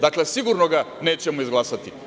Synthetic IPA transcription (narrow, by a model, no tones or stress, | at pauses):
d̪aklɛsiɡuɾnoɡanɛt͡ɕɛmoizɡlˠasat̪i